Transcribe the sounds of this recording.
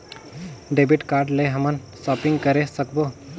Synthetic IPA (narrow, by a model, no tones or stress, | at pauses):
ɖeːbɪʈkaːɾɖleɦɐmən | sɔːpɪ̃ŋɡkəɾesəkboː